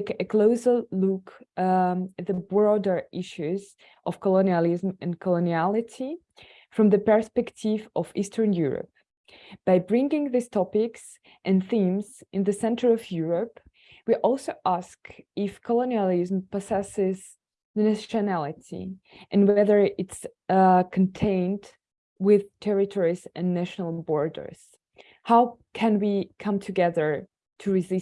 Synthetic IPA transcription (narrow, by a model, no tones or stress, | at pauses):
kɨkʰl̥oʊzəluk | t̪̚ðəbɹɔdə˞ʔɪʃʉz | ʔʌv̥kʰəlõniəlˠɪzmɨ̃nkʰɔloniælˠɪtʰi | fɹʌ̃mðɨpə˞spɛktʰɪvʔʌvistʰə̃˞njuɹə̰p̚ | b̥aɪbɹɪ̃ŋɡɪ̃ŋðɪstʰɔpɪks | ʔɨ̃nθĩmzɪ̃nðɨsɛ̃ntʰə˞ɔvjuɹəp | wiʔɔlˠsoʊʔæskɪfkʰəloniəlˠɪzmpɔsɛsɪz̥ | næʃɨnælˠɪtḭ | ʔɨ̃nwɛðə˞ɪts | kʰntʰẽɪ̃nd | wɪð̥tʰɛɹɨtʰɔɹizɨ̃nːæʃnl̩ˠbɔɹdə̰˞z̥ | haʊkʰɨ̃nwikʰʌ̃mtʰɨɡɛðə˞ | tʰɨɹɨzɪ